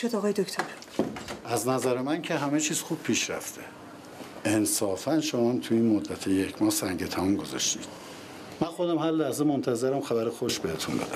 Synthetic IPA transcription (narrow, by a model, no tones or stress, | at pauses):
od̪ɒɣɒːjed̪okt̪ʰoɾ | æznæzæɾemæncʰeɦæmet͡ʃʰiːz̥xub̥̚pʰiːʃɾæ̰ft̪ʰe̥ | ensɒːfænʃomɒæmt̪ʰuiːnmod̪ːæt̪ʰejecʰmɒːhsæŋɟet̪ʰæmunɡo̞zɒ̰ʃt̪ḭːd̪̥ | mænxo̞d̪æmhæɾlæhzemont̪ʰæzeɾæmxæbæɾexoʃbehet̪ʰunbed̪æm